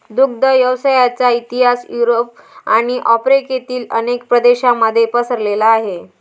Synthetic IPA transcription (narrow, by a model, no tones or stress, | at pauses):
d̪uɡ̚d̪ʱəjəʋsajat͡sait̪iɦasjuɾop̚aɽ̃iʔɔpɾeket̪iːlənekpɾəd̪eɕaməd̪ʱːjepəsəɾlelaːɦe